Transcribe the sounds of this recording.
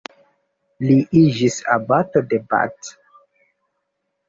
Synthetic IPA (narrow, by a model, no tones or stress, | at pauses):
liʔid͡ʒisa̰batodeba̰t